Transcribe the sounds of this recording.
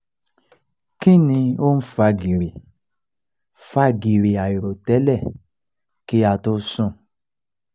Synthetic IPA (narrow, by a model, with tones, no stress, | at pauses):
kĩ˦˨nĩ˧o˦n̩˦fa˧ɡi˨ɾe˨ | fa˦ɡi˨ɾe˨a˨i˨ɾo˨tɛ˨˦lɛ˦˨ | ki˦a˧˨to˧˦sũ˦˨